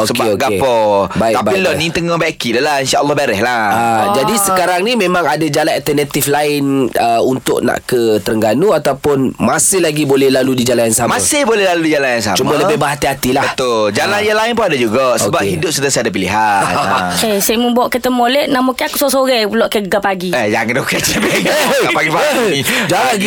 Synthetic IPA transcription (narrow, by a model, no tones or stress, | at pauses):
osəkbaeoɡapɔbaɪk̪t̪abailɔnit̪əŋɔbakidəlainʃaɔlˠːɑbaɾɛhlaad͡ʒadisəkaɾaŋnimẽmãŋadad͡ʒalanalt̪ənat̪iflaɪnəunt̪ʊ̰ʔnã̰ʔkət̪əɾəŋɡanuat̪awpʊnmasɪhlaɡibolɛhlaludid͡ʒalanjaŋsamãsɪhbolɛhlaludid͡ʒalanjaŋsa̰mt͡ʃumãləbɪhbaɦat̪iɦat̪ilabəht̪ʊld͡ʒalanjaŋlaɪnpʊadad͡ʒuɡaʔsəbaphidʊp̚sət̪əsaadap̬iliɦa | ʔesemə̃bɔʔkit̪əmolɛʔnamukɛakusosoɣɛpulɔʔkeɡapaɡiəjaŋnokat͡ʃɛbɛəpaɡipaid͡ʒaaaɡi